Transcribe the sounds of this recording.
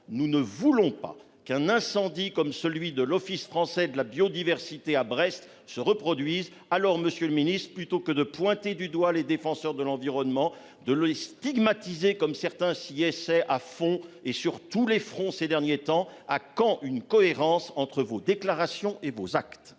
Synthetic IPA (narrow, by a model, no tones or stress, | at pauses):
nunəvulɔ̃pa̰ | kɛ̃nɛ̃sɑ̃d̪ikɔmsəlɥid̪əlɔfisfχɑ̃sɛd̪əlabjod̪ivɛʁsit̪eabʁɛst̪ | səʁəpχɔd̪ɥiz | alɔʁməsjøləminist̪χəplyt̪okəd̪əpwɛ̃t̪ed̪yd̪waled̪efɑ̃sœʁd̪əlɑ̃viʁɔnmɑ̃ | d̪ələst̪iɡmat̪izekɔmsɛʁt̪ɛ̃siɛsɛʔafɔ̃esyʁt̪ulefχɔ̃sed̪ɛʁnjet̪ɑ̃akɑ̃ʔynkɔeʁɑ̃sɑ̃t̪χəvod̪eklaʁasjɔ̃ʔevozakt̪